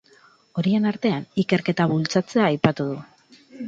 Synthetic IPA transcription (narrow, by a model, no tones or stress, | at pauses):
o̞ɾie̞naɾt̪e̞anike̞ɾke̞t̪aβult͡sat͡se̞aːjpat̪uð̞u